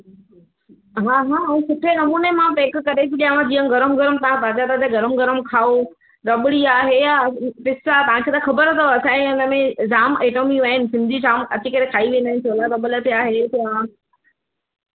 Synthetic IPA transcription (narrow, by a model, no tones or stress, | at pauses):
ɦãːɦãːsʊʈʰenɐmuːnemãpẽːkkɐɗek̪ʰiɗijãʋãd͡ʑiːə̃ɡɐɾəmɡɐɾəmt̪ɐʋ̤ãpaːt͡ɕat̪ɐd͡ʑaɡɐɾəmɡɐɾəmkʰaːo | ɾɐɓɪɽiaːɦejapɪsat̪ɐʋ̤ãkʰet̪ɐxɐbəɾt̪ʰəɐsãːẽɪnə̆mẽd͡ʑaːmeːʈomiʋɐɦɪnɪ̆sɪ̃nd̪ʱit͡ɕaːmɐt͡ɕikɐɾekʰaːiʋiẽːnd̪aːɪ̃nɪsoːlakɐbələt̪ʰiaːɦet̪ɐã